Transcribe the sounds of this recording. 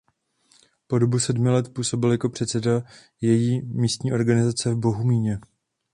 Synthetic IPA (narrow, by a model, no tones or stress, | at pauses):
po̞do̞busɛdmɪlɛt̪puːso̞bɪljakopr̝̥ɛt̪sɛda | jɛjiːmiːst̪ɲiːʔo̞ɾɡanɪzat͡sɛvbo̞ɦumiːɲɛ